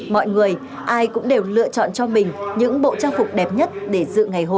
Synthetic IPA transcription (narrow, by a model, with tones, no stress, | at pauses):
mɔ̰˧˨jŋɨ˨˩əj | ʔaː˧jkʊ̰˧˥ŋ͡mɗe˨˩wlɨ̰˧˨ət͡ɕɔ̰˧˨nt͡ɕɔ˧mï˨˩ŋ̟ɲɨ̰˧˥ŋɓo̰˧˨t͡ɕaː˧ŋfʊ˨˩k͡p̚ɗɛ˨˩p̚ɲə˦˥t̚ɗe˧˩zɨ̰˧˨ŋa˨˩jɦo˧˨